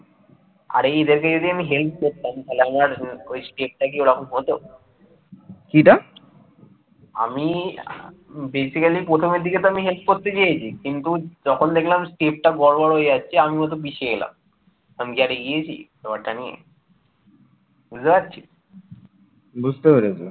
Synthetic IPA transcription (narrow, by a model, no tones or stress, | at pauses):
a̰ɾeed̪eɾkaeod̪ʱiamiɦelp̚ʰkoɾt̪amt̪ʰaleamaɾojsʈep̚ʈakioɽakʰonɦot̪o | kiʈa | a̰mi | besikalipɾot̪ʰomed̪ʱiket̪oamiɦelp̚ʰkoɾt̪et͡ɕejet͡ɕʰikint̪ud͡ʑɔkʰond̪ekʰlamsʈep̚ʈabɔɽbɔɽɦojast͡ɕʰeamimɔt̪̬obiʃeɡela̰m | amiɡaɾeɡijet͡ɕʰḭsobaɽʈanijḛ | buzebat̪̚ːt͡ɕʰi | bud͡ʑt̪epeɾet͡ɕʰe